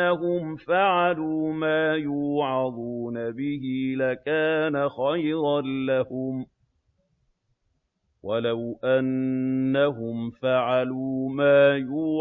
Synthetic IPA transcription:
aɦʊmfaʕaluːmaːjuːʕɑd̪ˤuːnabɪhɪlakaːnaxɑjɾˤɑnlahʊm | walawʔanːaɦʊmfaʕaluːmaːjuː

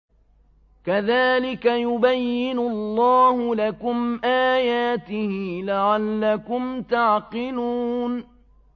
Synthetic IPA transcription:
kaðaːlɪkajʊbajːɪnʊlˤːɑːhʊlakʊmʔaːjaːt̪ɪhɪlaʕalːakʊmt̪aʕqɨluːn

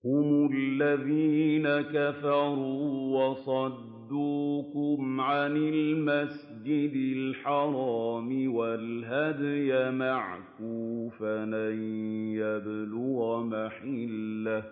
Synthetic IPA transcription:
hʊmʊlːaðiːnakafɑɾˤuːwɑsˤɑd̪ːuːkʊmʕanɪlmas | d͡ʒɪd̪ɪlħɑɾˤɑːmɪwalɦad̪jamaʕkuːfalajjablʊɣamaħɪlːa

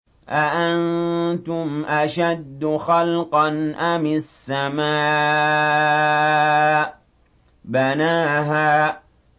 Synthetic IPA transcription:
ʔaʔant̪ʊmʔaʃad̪ːʊxɑlqɑnʔamɪsːamaː | banaːɦaː

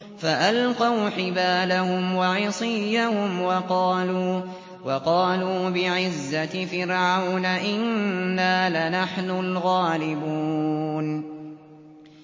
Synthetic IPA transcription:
faʔalqɑwħɪbaːlahʊmwɑʕɪsˤɪjːahʊmwɑqɑːluː | wɑqɑːluːbɪʕɪzːafɪɾʕawnaʔɪnːaːlanaħnʊlɣaːlɪbuːn

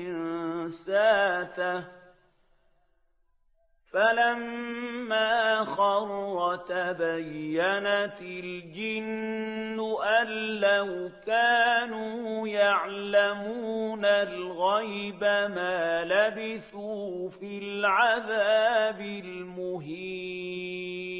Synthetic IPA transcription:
ɪnsaːt̪a | falamː | aːxɑrˤt̪abajːanat̪ɪld͡ʒɪnnːʊʔalːahkaːnuːjaʕlamuːnalɣajbamaːlabɪθuːfilʕaðaːbɪlmʊɦiː

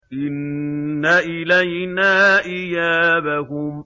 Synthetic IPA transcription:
ʔɪnːaʔɪlajnaʔɪjaːbaɦʊm

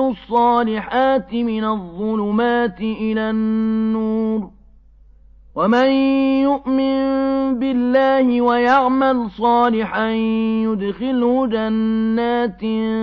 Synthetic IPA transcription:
ʊsˤːɑːlɪħaːt̪ɪmɪnaðˤːʊlʊmaːt̪ɪʔɪlaːnːuːɾ | wamanjʊʔmɪnbɪlːaːhɪwajaʕmalsˤɑːlɪħanjʊd̪xɪlhʊd͡ʒanːaːt̪

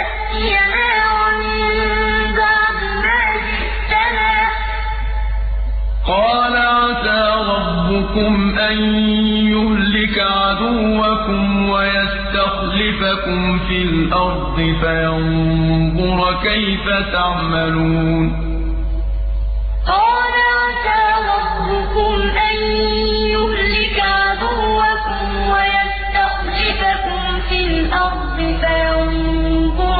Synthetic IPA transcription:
a | ɪjamaːɾnɪ | baːmɪmaːd͡ʒɪ | t̪ːanaː | qɑːlaʕaat̪aːɾˤɑbːʊkʊmʔanjʊhlɪkaʕad̪ʊwːakʊmwajast̪axlɪfakʊmfiːlʔɑɾˤd̪ˤɨfajanbʊɾkajfat̪aʕmaluːn | haːnaʔasaːwabɾʊkʊmʔaj | jʊhlɪkʕad̪ʊwːakʊm | wajast̪axlɪfakʊm | filʔɑɾˤd̪ˤɨfajan | bʊɾ

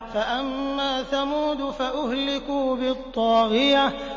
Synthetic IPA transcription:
faʔamːaːθamuːd̪faʔʊhlɪkuːbɪt̪ˤːɑːɣɪja

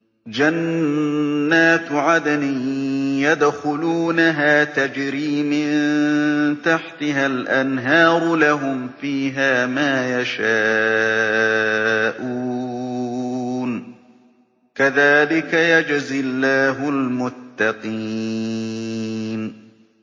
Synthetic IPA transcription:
d͡ʒanː | aːt̪ʕad̪anijad̪xʊluːnaɦaːt̪ad͡ʒɾiːmɪnnt̪aħt̪ɪɦalʔanɦɑːɾˤlaɦʊmfiːɦaːmaːjaʃaː | ʔu | n | kaðaːlɪkajad͡ʒzɪlːaːɦʊlmʊt̪ːɑqi | n

